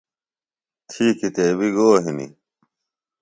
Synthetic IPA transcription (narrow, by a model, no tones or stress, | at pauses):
t̪ʰiːkit̪eːbiɡoːɦinḭ